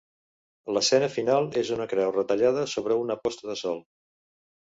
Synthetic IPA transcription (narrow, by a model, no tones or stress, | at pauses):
ləsɛnəfinalˠezunəkɾɛwrət̪əʎað̞əsoβɾəunəpɔst̪əðəsɔlˠ